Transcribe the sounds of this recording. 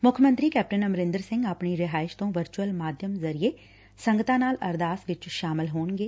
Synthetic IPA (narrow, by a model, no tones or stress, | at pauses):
mʊkʰmə̃nt̪ɾiːkɛːp̚ʈənəmɾɪ̃nd̪əɾsɪ̃ŋɡaːpɳiːɾɪɦaːɪʃt̪õːʋəɾt͡ʃuəlmaːd̪ʱjəmzəɾieː | səŋɡət̪ãːnaːlə̰ɾd̪aːsʋɪt͡ʃʃaːmɪlɦoːɳɡeː